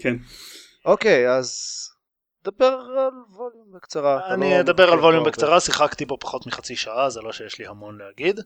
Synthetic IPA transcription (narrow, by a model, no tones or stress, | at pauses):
kʰen | ʔo̞ke̞jaz | d̪abeʁalvoljumbekt͡saʁaanied̪abeʁalvo̞ljumbekt͡saʁasiχakt̪ibo̞pḁχo̞t̪miχat͡siʃaazelo̞ʃejeʃlihamo̞nlehaɡid̪